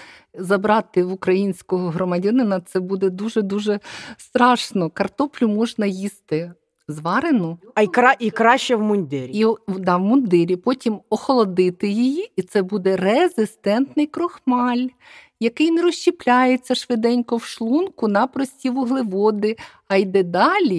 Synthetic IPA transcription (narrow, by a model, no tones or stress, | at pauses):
zɐbɾɑt̪ɪʋʊkɾɐjinʲsʲkɔɦɔɦɾɔmɐdʲɐnɪnɐt̪sɛbud̪ɛd̪uʒɛd̪uʒɛst̪ɾɑʃnɔkɐrt̪ɔplʲʊmɔʒnɐjist̪ɪ | zʋɑɾenʊɾaʔikɾɑʃt͡ʃːɛwmʊnʲd̪ɪɾʲid̪ɑʋmʊnd̪ɪɾʲipɔtʲimɔxɔlˠɔd̪ɪt̪ɪjɪjiit̪sɛbud̪ɛrezɪst̪ɛnt̪nɪjkɾɔxmɑlʲ | jɐkɪjnɛɾɔʃt͡ʃːiplʲajet͡sʲːɐʃʋɪd̪ɛnʲkɔwʃlˠunkʊnɐpɾɔsʲtʲiʋʊɦlˠɪʋɔd̪ɪ | ɐjd̪ɛd̪ɑlʲi